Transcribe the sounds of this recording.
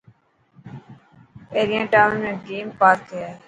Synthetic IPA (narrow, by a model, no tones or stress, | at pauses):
peːɾijãːʈaːmẽːɡeːmpaːɾkaː